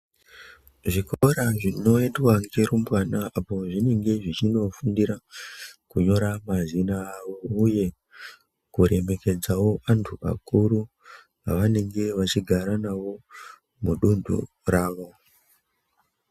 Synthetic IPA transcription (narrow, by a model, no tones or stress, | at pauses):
ʐikoɾaʐino̞endwaŋɡeɾumbwanaʔapo̞ʐine̞ŋɡe̞ʐit͡ʃino̞fundiɾakuɲo̞ɾamazinaːʋo̞uje̞ | kuɾe̞me̞ke̞d͡zawo̞antʰuʔa̰kuɾu | aʋane̞ŋɡe̞ʋat͡ʃiɡʱaɾanaʋo̞ | muɗundṵ | raːʋo̞